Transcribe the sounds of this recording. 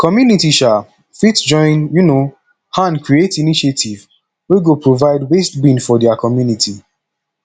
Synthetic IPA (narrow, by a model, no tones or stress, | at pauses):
kɔmjunitiʃa | fitd͡ʒɔ̃ɪ̃njuno | hãnkɹietiniʃetʰiv | weɡopɹovaɪdwestbĩnfɔdɛakʰɔmjunitʰi